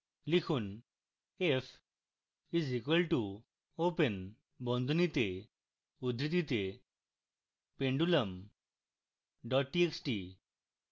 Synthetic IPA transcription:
likʰuːn | ef | izikʋəlʈu | opən | bɔ̃nd̪ʱunit̪e | ud̪ɾit̪̬it̪e | pẽɳɖuləm | ɖɔʈ̚ːieksʈi

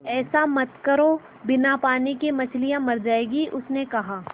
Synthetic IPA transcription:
ɛːsamɐt̪kɐɾo | bɪnapaːnikemɐt͡ʃʰlijãmɐɾd͡ʒaːeːɡiʔʊsnekɐɦaː

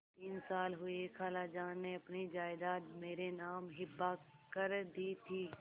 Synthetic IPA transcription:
t̪iːnsaːlɦʊekʰaːlad͡ʒaːnːeɐpnid͡ʒaːɪd̪aːt̪meːɾenaːmɦɪbːakəɾd̪iːt̪ʰiː

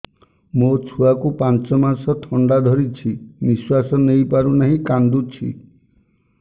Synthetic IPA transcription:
mot͡ʃʰuakupant͡ʃɔmaɾsɔt̪ʰɔɳɖad̪ʱɔɾit͡ʃʰibiswasɔnejpaɾunaɦĩkand̪ut͡ʃʰḭ

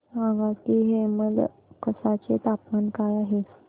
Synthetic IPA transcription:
sãŋɡakiɦeməɡ | kəsat͡set̪apmankajaɦes

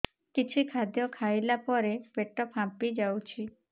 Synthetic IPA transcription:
kit͡ʃʰikʰad̪jɔkʰajlapɔɾepeʈɔpɦãpid͡ʒawt͡ʃʰi

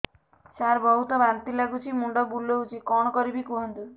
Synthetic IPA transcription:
saɾbɔɦut̪ɔbant̪ilaɡut͡ʃʰimuɳɖɔbuloɦut͡ʃʰikɔɽ̃ɔkɔɾibikuɦɔnt̪u

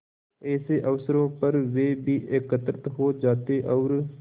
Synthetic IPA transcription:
ɛːseʔɐʋsəɾõpɐɾʋeːbʱiːʔekət̪ɾət̪ɦoːd͡ʒaːt̪eʔɔːɾ

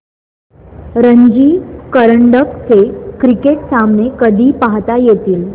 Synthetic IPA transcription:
ɾəɲd͡ʑiːkəɾəɳɖəkt͡sekɾikeʈsamnekəd̪ʱiːpaɦt̪ajet̪iːl

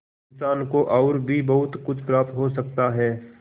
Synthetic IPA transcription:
ɪnsaːnkoʔɔːɾbʱibɐɦʊt̪kʊt͡ʃʰpɾaːp̚t̪ɦosɐk̚t̪aɦɛː

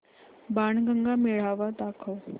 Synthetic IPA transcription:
baɳɡəŋɡameɭ̤aʋad̪akʰəw

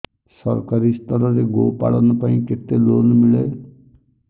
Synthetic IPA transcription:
sɔɾkaɾist̪ɔɾɔɾeɡopa̰ɭɔnupaĩket̪elonmile

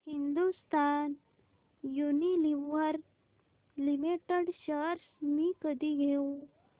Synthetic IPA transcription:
hind̪ust̪aːn | juniliʋəɾ | limiʈəɖɕəɾsmikəd̪iɡʱeu

